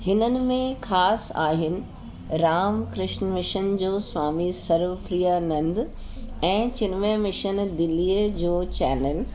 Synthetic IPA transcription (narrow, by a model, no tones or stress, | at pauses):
hɪnənɪ̆mẽxaːsa̰ːɦɪnɪ̆ | ɾaːmkɾɪʃnmɪʃənd͡ʑoːsʋaːmisɐɾʋəfɾiːjanɐ̃nd̪ | ɛ̃ːt͡ɕɪnmemɪʃənd̪ɪliːəd͡ʑoːt͡ɕɛ̰ːnəl